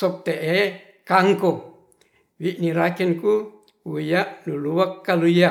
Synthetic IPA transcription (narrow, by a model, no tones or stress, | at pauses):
sɔp̚t̪eʔe | kaŋko | wiʔniɾakɛnku | wujaʔnuluwakːaluja